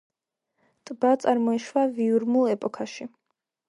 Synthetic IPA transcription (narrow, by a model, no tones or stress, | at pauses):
t̪ʼbat̪sʼaɾmɔiʃwaviuɾmulˠɛpʼɔkʰaʃi